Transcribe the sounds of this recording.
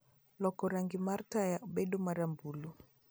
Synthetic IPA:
lɔkɔɾaŋɡimaɾtajaʔuɓɛɗumaɾambulu

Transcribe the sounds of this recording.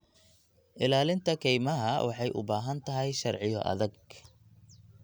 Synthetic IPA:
ʔɪlaːlɪnt̪ʰɐkʰɛjmɐɦɐwʔɑħɑjʔʊ̰baːɦɐnt̪ʰɐɦɛjʃɐrʕɪjɔ̰ʔɐ̰ðɐɡ

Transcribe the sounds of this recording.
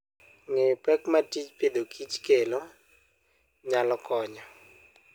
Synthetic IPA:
ŋepɛkmatit͡ʃped̪okʰit͡ʃkelo | ɲalɔkɔɲɔ

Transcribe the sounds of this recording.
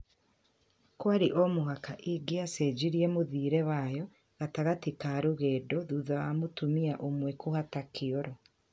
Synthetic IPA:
kwaɾiʔomoɦakaʔiɡeased͡ʒiɾiemoðiːɾɛwajɔ | ɣataɣatikaɾuɣɛːdɔðuðawamotumiaʔomwɛkohatakʰiɔɾɔ

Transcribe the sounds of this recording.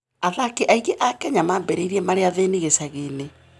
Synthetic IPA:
aðakeʔaiɣeʔakɛɲamabɛɾeiɾiɛmaɾeaðeniɣesaɣene

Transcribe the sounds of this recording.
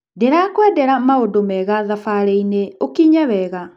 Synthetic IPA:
deɾakwɛdɛɾamaodomɛːɣaðafaɾeineokiɲawɛːɣa

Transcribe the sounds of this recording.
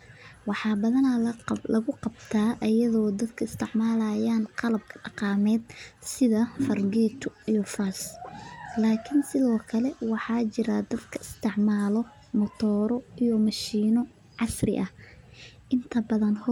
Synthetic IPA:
wɑħɑːbɐðɐnɐlɐɣʊqɑbt̪ʰaːʔɐjɐðɔːd̪ɐd̪kʰɐɪst̪ʰɪʕmaːlaːjaːnqɑlɐb̚kʰɐ̥ɖɑqɑːmɛːd̪̚sɪðɐfɐrɡɛːt̪ʰʊijɔfaːs | laːkʰɪnsɪðɔːkʰɐlɛwɑħɑːt͡ʃɪɾɐd̪ɐd̪kʰɐɪst̪ʰɪʕmaːlɔ | mɔt̪ʰɔːɾɔijɔmɐʃiːnɔ | ʕɑsrɪ̰ʔɐh | ʔɪnt̪ʰɐbɐðɐnh

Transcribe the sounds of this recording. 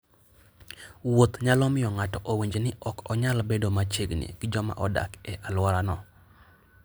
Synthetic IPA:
wot̪ɲalɔmɪjɔŋatɔʔoweɲd͡ʒenɪʔɔkɔɲalbedomat͡ʃeɡnḭɡ̥ɪd͡ʒɔma̰ʔɔda̰kɛʔalwaɾanɔ

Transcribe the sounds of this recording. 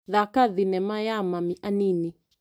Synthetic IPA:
ðakaðinɛmajamamiʔanini

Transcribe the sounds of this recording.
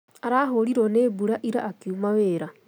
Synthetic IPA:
aɾaːɦoɾiɾoneːbuɾaʔiɾaʔːkiumaweːɾa

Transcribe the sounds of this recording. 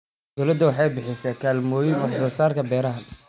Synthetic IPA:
ɡ̪ɔlɐd̪ʊwɑħɑjbɪħɪsakʰaːlmɔːjɪnɑħsɔːsaːrkʰɐbɛːɾɐɦɐn

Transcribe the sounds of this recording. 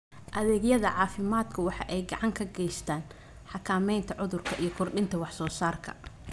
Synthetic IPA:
ʔɐðɛːɡjɐðɐʕɑːfɪmaːd̪kʰɐwɑħɑ̰ʔɛjɡɑʕɑŋkʰɐɡɛjst̪ʰaːn | ħɑkʰaːmɛjnt̪ʰɐʕʊðʊrkʰɐʔijɞkʰʊrɗɪnt̪ʰɐwɑħsɔːsaːrkʰɐ̰

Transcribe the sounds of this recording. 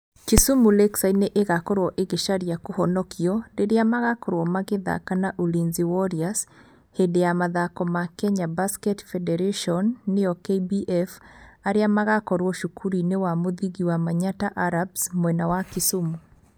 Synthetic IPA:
kisumulɛksaineʔeɣakɔɾwɔʔeɣeʃaɾjakohɔnɔkiɔdeɾeamaɣakɔɾwɔmaɣeða̰kanaʔulinziwɔɾias | hedejamaðakɔmakɛɲabaskɛtfɛdɛɾeʃɔnːeɔkebiʔɛfaɾeamaɣakɔɾwɔʃukʰuɾinewamoðiɣiwamaɲataʔaɾabsmwɛnawakisumu

